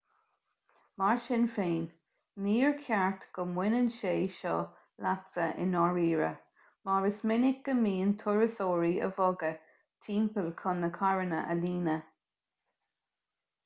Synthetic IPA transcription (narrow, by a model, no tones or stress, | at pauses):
maɹʃɪnfeːnː | iːɹkʰaɹt̪ɡ̥ʊmwɪnənʃeːʃɔ̰ | latsəʔɪ̰nɔɹiːɹə̰ | maɹəsmɪnɪk̚ɡ̥əmiːənt̪ʰʊɹəsoːɹiə̰vɔɡə | tʰiːmpəlkʰʊnəkʰaɹənə̰ʔə̰liːnə